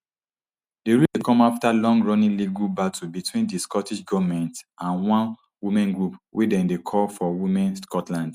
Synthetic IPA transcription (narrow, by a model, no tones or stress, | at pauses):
deɹidekɔ̃maftalɔ̃ŋɡɹɔnĩliɡubatʰubitwĩndiskɔtiʃɡɔvamɛ̃ntãnwɔ̃n | wimɛ̃nɡɹupwʔedɛ̃ndekʰɔlfɔwimɛ̃nskʰɔtlãnd